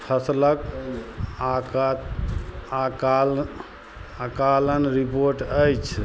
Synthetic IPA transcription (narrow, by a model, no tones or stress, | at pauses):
pʰəslək | ak | ak | akalənɾipoɾʈəjt͡ʃʰ